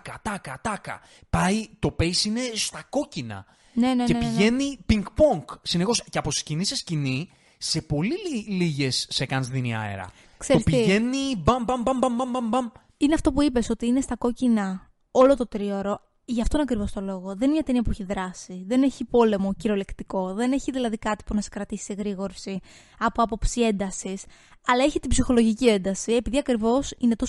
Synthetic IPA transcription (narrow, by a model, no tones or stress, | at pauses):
kɐt̪ɐkɐt̪ɐkɐ̰ | pɐit̪o̞peisine̞st̪ɐko̞cinɐ̰ | ne̞neepiiʝe̞nipiŋɡpoŋksinexo̞sceɐposi̥scinise̞scini | se̞po̞lililiʝe̞sːekɐnzðiniɐ̰ḛɾɐ̰ | kseospiʝe̞nibɐmbɐmbɐmbɐmbɐmbɐmbɐm | ineɐft̪o̞puipe̞so̞t̪iine̞st̪ɐko̞cinɐ | o̞lo̞t̪o̞t̪ɾio̞ɾo̞ | ʝɐft̪oinɐkɾivo̞st̪o̞lo̞ɣo̞ðnimɲɐt̪eniɐpueçiðɾɐsiðene̞çipo̞le̞mo̞ciɾo̞le̞kt̪iko̞ðe̞neçiðilɐðikɐt̪i̥punɐse̥kɾɐt̪isi̥seɣɾiɣo̞ɾsi | ɐpoɐpo̞psie̞nd̪ɐsisɐlɐe̞çit̪ibsixo̞lo̞ʝicie̞nd̪ɐsie̞piðiɐkɾivo̞sine̞t̪o̞